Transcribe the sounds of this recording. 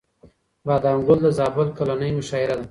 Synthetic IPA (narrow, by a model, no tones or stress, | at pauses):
bad̪aŋɡʊld̪əzɑːbʊlkolanəjmʊʃɑːɪɾad̪a